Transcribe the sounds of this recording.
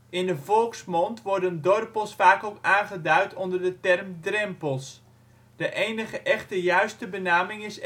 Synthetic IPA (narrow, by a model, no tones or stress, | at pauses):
ɪndəvɔlˠksmɔntʋɔrdəndɔrplˠsfaːkowkaːnχədœɥtʰɔndərdətɛrmdrɛmpəlˠs | d̥əʔejnəχəʔɛχtəjœɥstəbənaːmɪŋɪs